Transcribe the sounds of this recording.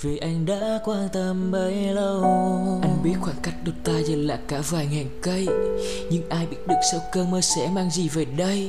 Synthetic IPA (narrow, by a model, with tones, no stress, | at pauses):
vi˨˩ʔa˧jŋ̟ɗa̰ː˧˥kwaː˧nt̪ə˧mvə˨˦jlə˧wʔa˧jŋ̟ɓi˦˥ət̚xwaː˧˩ŋka˦˥jk̟̚ɗʊ˨˩t̚t̪aː˧zə˨˩nla̰ː˧˨jkaː˧˩vaː˨˩jŋɛ˨˩ŋkə˧j | ɲɨ˧ŋʔaː˧jɓḭ˧˥ət̚ɗɨ˨˩ək̚sə˧wkəː˧məː˧sɛ̰˧˥maː˧ŋzi˨˩ve˨˩ɗə˧j